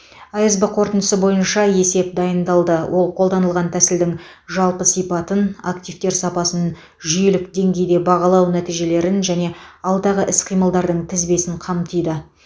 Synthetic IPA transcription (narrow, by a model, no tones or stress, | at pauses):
ɑjɑzbəqʰo̞ɾt̪ənd̪əsəbo̞jənʃɑje̞se̞p̚d̪ɑjənd̪ɑlˠd̪əwʔo̞lˠqʰolˠd̪ɑnəlˠʁɑnt̪ʰæsɪld̪ɪŋ | ʒɑlˠpəsijpɑt̪ənakt̪ijft̪e̞ɾsɑpɑsən | ʒʏjelɪkd̪e̞ŋɡʲe̞jd̪e̞bɑʁɑlˠɑwnæt̪ijʒe̞le̞ɾɪnʒæne̞ɑlˠd̪ɑʁəʔɪsqʰijməlˠd̪ɑɾd̪əɴt̪ʰɪzbe̞sɪɴqʰɑmt̪ʰəjd̪ə